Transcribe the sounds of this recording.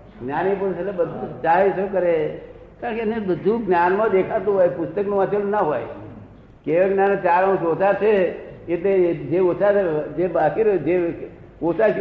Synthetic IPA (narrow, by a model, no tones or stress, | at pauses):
ɡnʲjaːnip̬oɾsəlebəd̪ʱut͡ʃaːesokəɾe | kaːɾə̃kenebəd̪ʱuɡnjaːnmãd̪eːkʰat̪ũɦoːjpʊst̪əknuat̪ʰolnəɦoːj | keʋeɡnjaːnot͡ʃaːɾaũsotat͡ʃʰeeʈ̪led͡ʒeosated͡ʒebaːkiɾd͡ʒe | osa